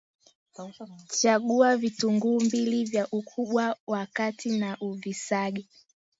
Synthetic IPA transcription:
t͡ʃaɠuavituŋɡuːmbilivjaʔukʰuɓwawakatʰinaʔuvisaɠɛ

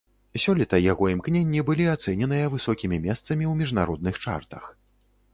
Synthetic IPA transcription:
sʲɔlʲit̪ɐjaɣɔimknʲenʲːibɨlʲiat̪sɛnʲɛnɨjɐvɨsɔkʲimʲimʲɛst̪sɐmʲiwmʲiʐnaɾɔd̪nɨxt͡ʂa̰rt̪ɐ̰x

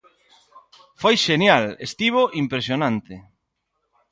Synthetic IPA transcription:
fojʃenjalest̪iβoʔimpɾesjonãnt̪e

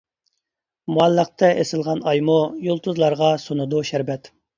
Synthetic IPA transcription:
muɑlːəq̚t̪ʰɛʔesɪlˠʁɑnɑjmujolˠt̪uzlˠɑɾʁɑsonud̪uʃæɾbɛt̪

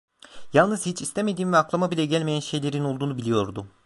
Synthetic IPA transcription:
jalˠnɯz̥hit͡ʃʰist̪ʰeme̞d̪iːmvɛaklˠamabilʲɛɟælʲmejænʃe̞jlʲe̞ɾino̞lˠd̪uːnubilʲijo̞ɾd̪ʊ

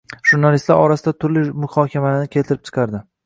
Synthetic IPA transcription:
ʒ̥ʊɾnalɪist̪la̰ɾɒɾasɪd̪at̪ʰʊɾlɪmʊhɒkʲʰamalaɾnɪkʲʰe̞lt̪ʰɪɾɪp̚t͡ʃʰɨ̥qʰɑɾd̪ɪ

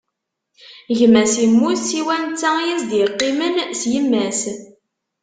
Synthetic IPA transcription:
ʝmːæsimːuθiwænt͡sːæjizd̪jəqːimənsjəmːæs

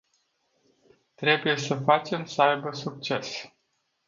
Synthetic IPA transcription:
t̪ɾe̞buje̞səfat͡ʃe̞msəajbəsuk̚t͡ʃe̞s

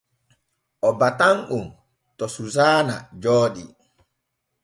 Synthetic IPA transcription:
ʔɔbataŋʔum | tɔsuzaːnad͡ʒoːɗi

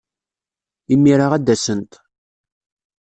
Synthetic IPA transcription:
imːiɾaʁæd̪ːæsənt̪

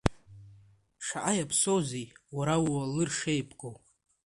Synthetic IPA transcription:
ʂaʔajapʰsozijwaɾawwalɨrʂejpʼɡʼow

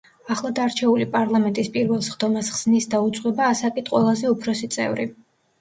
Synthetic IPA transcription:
aχlˠad̪aɾt͡ʃʰɛulipʼaɾlˠamɛnt̪ʼispʼiɾvɛlˠsχd̪̥ɔmasχz̥nisd̪aut̪sʼqʼwɛbaːsakʼit̪ʰʼqʼwɛlˠazɛupʰɾɔsit̪sʼɛ̰vɾi

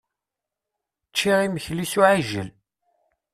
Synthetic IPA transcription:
t͡ʃːiʁiməçlisuʕaʒə̰l

